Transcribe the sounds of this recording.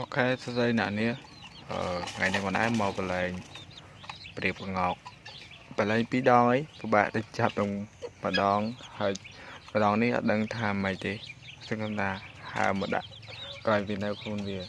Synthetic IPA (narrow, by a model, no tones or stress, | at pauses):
pɑkʰaɛsɑsəjnɛəʔniə | ʔə̰ːŋa̰jnikənɗa̰ɛmɑːpəlɛːŋ | priəp̚kaŋɑːk̚ | pəlɛːŋpiːɗɑːŋəjpəɓa̰ːʔɗəɲt͡ɕap̚nɨŋməɗɑːŋhaəjmə̆ɗɑːŋnihʔɑ̰t̪̚ɗəŋt̪ʰaːməc̚t̪eːsəŋkʰəmt̪ʰaːha̰əməɗa̰ʔkraːjʋiənɨwkʰluənʋiə